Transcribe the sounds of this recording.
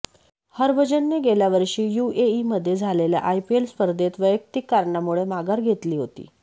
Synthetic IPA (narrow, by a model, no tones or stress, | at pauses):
həɾʋəd͡ʑənːeɡeljaʋəɾʂiːjueiməd̪ʱːjed͡zʱalelja̰ʔajpielspəɾd̪ʱet̪ʋəjək̚t̪ikːaɾɳamuɭemaɡaɾɡʱet̪liːɦot̪ḭː